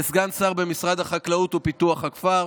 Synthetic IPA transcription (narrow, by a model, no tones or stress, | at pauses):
sɡansaʁbemisʁad̪haχaklaut̪upit̪uaχhakfaʁ